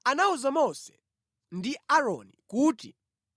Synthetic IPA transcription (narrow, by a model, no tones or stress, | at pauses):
anauzamɔsɛ̥ | ndiaɾɔnikuːti